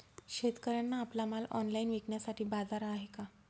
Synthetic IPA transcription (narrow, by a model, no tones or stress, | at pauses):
ɕet̪kəɾanːaːplamalɔ̰nlainʋikɳjasaʈʰiːbad͡zaɾaːɦeka